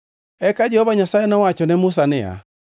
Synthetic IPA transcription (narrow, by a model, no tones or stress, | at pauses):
ɛkad͡ʒɛhɔβaɲasaɛnawat͡ʃɔnɛmʊs̬anɛa̰